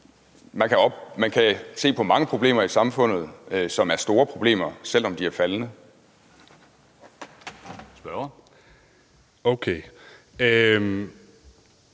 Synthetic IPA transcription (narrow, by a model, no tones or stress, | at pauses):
mænkʰæɒ̽b̥mænkʰæse̝̰ːpʰɒ̽mɑ̈ŋəpʰʁo̝b̥le̝̰ːmɐisɑ̈mfɔ̽n̰ð̞̩ˠsɒ̽mæɐsd̥o̝ːɐpʰʁo̝b̥le̝̰ːmɐsel̰ɒ̽md̥iæɐfælnə | sb̥ɶɐ | oʊkʰe